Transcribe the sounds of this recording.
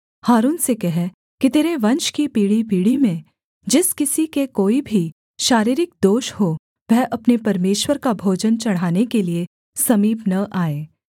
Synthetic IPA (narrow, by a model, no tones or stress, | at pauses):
haːɾuːnsekɛɦɛ | kit̪eːɾeʋɐ̃nʃkipiːɽipiːɽimẽ | d͡ʒɪskɪsikekoːibʱi | ʃaːɾiːɾɪk̚d̪oːʃho | ʋɛɦʔɐpnepɐɾmeːʃwəɾkabʱoːd͡ʒənt͡ʃɐɽ̤aːnekelie | sɐmiːpnɐʔaːeː